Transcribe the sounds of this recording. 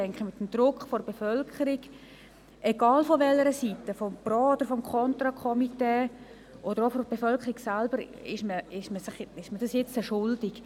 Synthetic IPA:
ɛŋkχəmɪt̪ːəmd̥̪rʊkχfɔrb̥efœlkʰəɾiɡ | ʔeɡɑːlfɔʋɛləɾəsitəfɔmb̥rɔːod̥əɾfɔmkʰɔnt̪ɾakʰɔmiteː | ʔodəɾofɔb̥efœlkʰəɾiksalb̥əɾɪʃməɪʃməsɪχɪʃmədɑsjɛt͡stəʃʊldɪk

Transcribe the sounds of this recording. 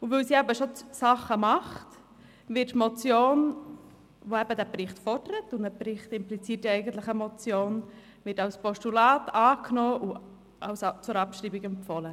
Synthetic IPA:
ʊvɵlsiæbəʃot͡ssɑχːəmɑχt | ʋɪtːmɔt͡sjoːn | ʋoɛbədæprɪχtfɔɾd̥əɾətʊndəprɪχtɪmplit͡siːt̚diɛɪɡən̩t̪lɪχəmɔt͡sjoːn | ʋɪtɑwspɔʃtulɑːtɑːkʰnoːʔʊ | ʔɑwst͡sʊɾɑpʃriːbiɡɛmpfɔlə

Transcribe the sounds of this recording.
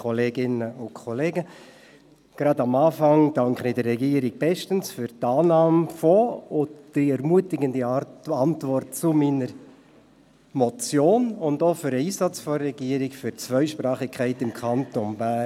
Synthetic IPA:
kʰɔleːɡɪnəʊnkʰɔleːɡə | ɡ̥ɾɑdɑmɑːfɑŋd̥ɑŋkχnɪdəːɛɡiːəɾɪɡ̚b̥ɛʃtənsfʏɾtɑːnɑːmfɔʊd̥iɛɾmuətɪɡəndiɑntvɔrt̚t͡sʊminəɾ | mɔt͡sjoːnʊndofʏɾəiːsɑt͡sfɔːɛɡiːəɾɪkfʏɾt͡svœʏʃpɾɑːχɪkʰæɪtɪmkʰɑntonbæ

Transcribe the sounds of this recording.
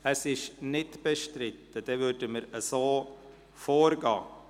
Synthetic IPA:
ɛsɪʃnɪtb̥əʃtɾɪt̪əd̥ɛvʏɾdəməɾəsoː | foːɾɡɑ̰ː

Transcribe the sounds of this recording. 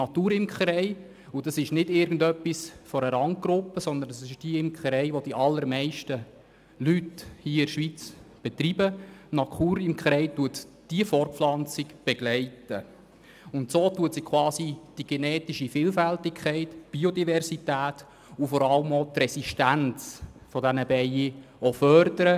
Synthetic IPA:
nɑt̪uːɾɪmkχɾɛɪ | ud̥ɑsɪʃnɪdɪɾɡn̩dœpːisfɔɾəɾɑŋɡ̥ɾʊpːəsɔnd̪əndɑsɪʃd̥iɪmkχɾɛɪʋod̥iʔɑlːəɾmɛɪʃtə | lythiːɪɾʃʋit͡sb̥ɛt̪ribənɑkuːɾɪmkχɾɛɪtuətd̥iəfɔɾflɑnt͡sɪɡb̥ɛɡ̥lɛɪtə | ʊnt̪soːtuətsɪkχwɑːsid̥iɡ̥ɛnɛːtiʃifɪːlfæltɪkʰχɛɪtb̥iod̪ivɛɾsitæːt̪ | ufɔɾɑləmot̪rɛsiʃtænt͡sfɔdænəbɛjiofœɾd̥̪əɾə

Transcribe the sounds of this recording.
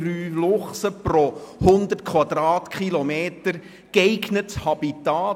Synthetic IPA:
ɾyːlʊχsəprɔhʊnd̪ət̚kχwɑd̪ɾɑːtkχilɔmeːtəɾ | keɪɡnəthɑb̥itaː

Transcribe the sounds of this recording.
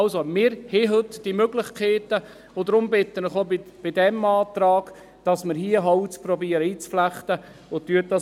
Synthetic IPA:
ɑlsomɪːɾheɦɵtd̥imøɡlɪχkʰeːtə | ʊdɾʊmbɪt̪ːənəχobɪb̥ɪdɛmɑːt̪ɾɑːɡ̥ | d̥ɑsməɾɦiːəɦɑut͡sprɔbiːəɾəiːt͡spflæχtəʊtyət̚dɑ

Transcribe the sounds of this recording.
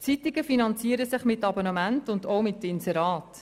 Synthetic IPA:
t͡sitiɡəfinɑnt͡siəɾəsɪχmɪtːɑbonəmæntʊndoʊmɪtːəɪnsɛɾɑːt

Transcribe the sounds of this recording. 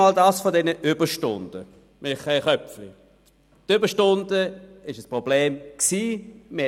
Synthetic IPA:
ɑːldɑːsfodɛnəʔʏbəʃtʊnd̥ə | mʔɪχɛɪχœpflḭ | tʏbəʃtʊnd̥əɪʃəspʁobleːmksiːmɪ

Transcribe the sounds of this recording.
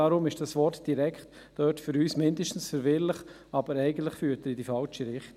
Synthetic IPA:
ɑɾʊmɪʃd̥ɑsʋɔɾtd̥iɾɛkχt | d̥œtfʏɾyːsmɪndəʃtn̩sfəɾvɪɾlɪχ | ɑbəɾɛɪɡən̩tlɪχfyːəɾtəɾɪdifɑlt͡ʃiɾɪχt

